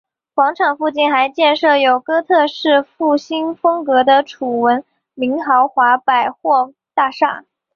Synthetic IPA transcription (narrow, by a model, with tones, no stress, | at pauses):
xwɑ˧˥ŋʈ͡ʂʰɑ˨˩ŋfu˥˧t͡ɕi˥˩nxa˧˥ɪt͡ɕjɛ˥˧nʂɤ˥˩jo˨˩ʊkɤ˥t̪ʰɤ˥˧ʂɻ̩˥˧fu˥˩ɕi˥nfɤ˥ŋkɤ˧˥d̪ə˧ʈ͡ʂʰu˨˩wə˧˥n | mi˧˥ŋxɑ˧˥ʊxwa˧˥pa˨˩ɪxwɔ˥˧ | t̪a˥˧ʂa̰˥˩